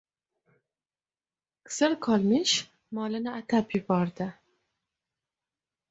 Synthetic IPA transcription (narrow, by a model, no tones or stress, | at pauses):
kʰsɪɾkʰɒlˠmɪʃ | mɒlɪnɪat̪ʰapjʊbɒɾd̪ɪ